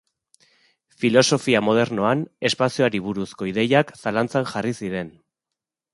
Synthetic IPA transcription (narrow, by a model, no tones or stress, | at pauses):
filo̞so̞fiamo̞ð̞e̞ɾno̞ane̞spasioaɾiβuɾusko̞iðe̞jaksalant͡sanʝarisiɾe̞n